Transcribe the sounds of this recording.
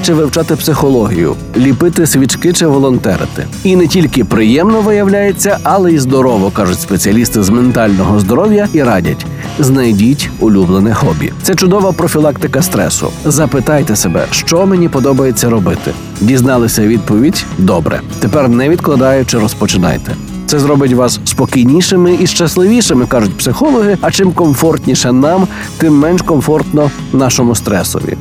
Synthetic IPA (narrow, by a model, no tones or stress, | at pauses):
t͡ʃɪʋɪwt͡ʃɑt̪ɪpsɪxɔlˠɔɦʲijʊ̰ | lʲipɪt̪ɪsʲʋʲit͡ʃkɪt͡ʃɪʋɔlˠɔnt̪ɛ̰ɾɪ̰t̪ɪ̰ | inɛtʲilʲkɪpɾɪjɛmnɔʋɪjɐwlʲajet͡sʲːɐʔɐlˠɛizd̪ɔɾɔʋɔkɑʒʊtʲspet͡sʲiɐlʲist̪ɪzment̪ɑlʲnɔɦɔzd̪ɔɾɔwʲjɐiɾɑdʲɐ̰tʲ | znɐjdʲitʲʊlʲublˠenɛxɔbʲḭt̪sɛt͡ʃʊd̪ɔʋɐpɾɔfʲilˠɑkt̪ɪkɐst̪ɾɛ̰sʊ̰zɐpɪt̪ɑjt̪ɛsebɛ̰ʃt͡ʃɔmenʲipɔd̪ɔbɐjet͡sʲːɐɾɔbɪt̪ɪ̰ | dʲiznɑlˠɪsʲɐʋʲid̪̚pɔʋʲidʲd̪ɔbɾɛ̰t̪epɛrnɛʋʲid̪klˠɐd̪ɑjʊt͡ʃɪɾɔspɔt͡ʃɪnɑ̰jt̪ɛ | t̪sɛzɾɔbɪtʲʋɑsspɔkijnʲiʃɪmɪiʃt͡ʃɐslˠɪʋʲiʃɪmɪkɑʒʊtʲpsɪxɔlˠɔɦɪɐt͡ʃɪmkɔmfɔrt̪ʲnʲiʃɛnɑm | t̪ɪmːɛnʃkɔmfɔrt̪nɔ | nɑʃɔmʊst̪ɾɛsɔ̰ʋʲḭ